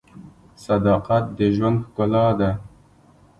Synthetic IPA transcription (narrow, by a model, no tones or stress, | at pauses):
sad̪ɑqat̪̚d̪əʒwand̪xkʊlɑd̪a